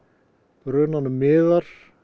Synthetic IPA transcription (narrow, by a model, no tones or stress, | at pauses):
pɾœːnanʏmɪːðaɾ̥